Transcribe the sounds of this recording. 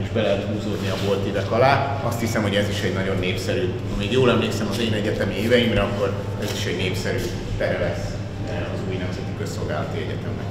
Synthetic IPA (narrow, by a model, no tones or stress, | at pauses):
iʒbɛlɛɦɛt̪huːzoːd̪niɒbo̞lt̪id̪ɛkɒlaː | ɒst̪hisɛmho̞ɟɛziʃɛɟnɒɟo̞nːeːpsɛɾyː | ɒmiɡjoːlɛmleːksɛmɒzeːnɛɟɛt̪ɛmieːvɛjimrɛɒkːo̞ɾ | ɛziʃɛɟneːpsɛɾyː | t̪ɛɾɛlɛs | ɛɒzuːjnɛmzɛt̪ikøsːo̞lɡa̰ːlɒt̪iɛɟɛ̰t̪ɛmrɛ̰